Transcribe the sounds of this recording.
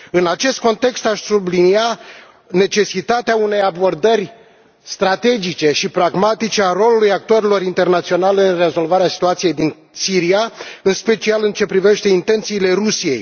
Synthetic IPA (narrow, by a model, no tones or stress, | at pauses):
ɨnat͡ʃe̞st̪̚ko̞nt̪e̞kst̪aʃʲsublinia | ne̞t͡ʃe̞sit̪at̪eaune̞jabo̞rd̪ərʲ | st̪ɾat̪e̞d͡ʒit͡ʃe̞ʃipɾaɡmat̪it͡ʃe̞aro̞lulujak̚t̪uəɾelo̞ɾint̪ernat̪sio̞naleɨnre̞zo̞lvaɾeasi̥t̪uat̪sije̞jd̪in | siɾiaɨnspe̞t͡ʃialɨnt͡ʃe̞pɾive̞ʃt̪e̞int̪e̞nt̪siːle̞rusije̞̰j